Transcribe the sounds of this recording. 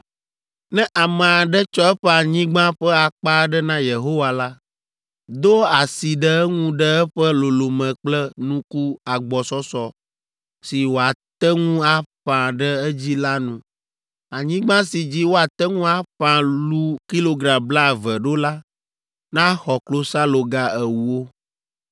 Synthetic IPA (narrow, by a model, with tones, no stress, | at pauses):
nɛ̃˦ʔa˨mɛ̃˨a˨ɖɛ˦t͡ʃɔ˦ɛ˦ɸɛ˦a˨ɲĩ˦ɡ͡bã˦ɸɛ˦a˨k͡pa˦ɖɛ˦nã˦je˨ɦo˦wa˨la˦ | d̪o˦a˨si˨ɖɛ˦ɛ˦ŋũ˦ɖɛ˦ɛ˦ɸɛ˦lo˨lo˨mɛ̃˨k͡plɛ˦nũ˦ku˦a˨ɡ͡bɔ˨sɔ˦sɔ˦ | si˨wo˨a˨t̪ɛ˦ŋũ˦a˦ɸã˨ɖə˦ɛ˦d͡ʑi˦la˦nũ˨ | a˨ɲĩ˦ɡ͡bã˦si˨d͡ʑi˦wo˦a˨t̪ɛ˦ŋũ˦a˦ɸã˨lu˦ki˦lo˨ɡɾã˨bla˦˨vɛ˨ɖo˦la˦ | nã˦xɔ˨klo˦sa˦lo˨ɡa˦ɛ˨wu˦o˦